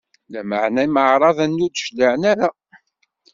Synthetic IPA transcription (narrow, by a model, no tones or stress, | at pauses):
læməʕnæiməʕɾˤɑðˤænːud̪ʃdaʕnæɾæ